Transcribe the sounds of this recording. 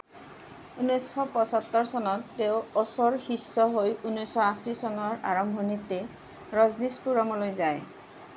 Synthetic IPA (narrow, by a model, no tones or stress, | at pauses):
unɔjsxɔpɔsat̪ːɔɹsɔnɔtːeʊɔsɔɹxisɔɦojunɔjsxɔasisɔnɔɹa̰ɹɔmbʱɔnitɛ | ɹɔznispuɹamɔlojzaj